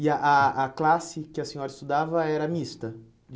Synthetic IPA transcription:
ɪɐʔaːklasɪkɪɐsẽɲɔɾɐɪist̪ud̪avɐɛɾɐmist̪ɐ | d͡ʒ

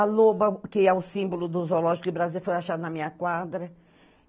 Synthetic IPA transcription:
alobɐkɪɛʊsĩmbolʊd̪ʊzolɔʒikʊbɾazilfojaʃad̪ʊnɐmĩɲɐkwad̪ɾɐ

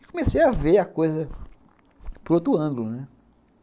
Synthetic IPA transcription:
kõmesejaveakojzɐ | pɾot̪ɾʊɐ̃ɡlʊnɛ

